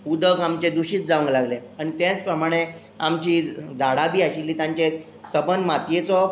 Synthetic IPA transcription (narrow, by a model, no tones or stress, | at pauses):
ud̪əkamt͡ɕed̪uɕiːt͡s̪̚d͡zaʋəŋɡlaɡleaɽ̃it̪jãt͡spɾəmaɽ̃e | amt͡ɕid͡zʱaɽabʱiːaɕilːiːt̪jãɲt͡ɕe | səbənmat̪jet͡sɔ